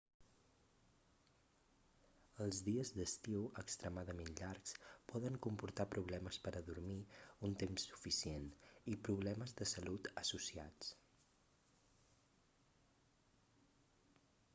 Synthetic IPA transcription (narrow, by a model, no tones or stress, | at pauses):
əlˠzðiəzd̪əst̪iwəkst̪ɾəmaðəmenʎaɾkspɔðəŋkumpuɾt̪apɾuβ̞lɛməspəɾəðuɾmiunt̪emsːu̥fisienipɾuβ̞lɛməzðəsəlut̪əsusia̰t͡s